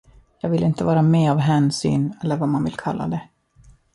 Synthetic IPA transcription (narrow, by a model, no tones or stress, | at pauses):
jɑːɡvɪlɪnt̪əvɑːɾamɛːavɦɛːnsy̰ːnɛlːəɾvamanvɪ̰lkʰalːa̰d̪ɛ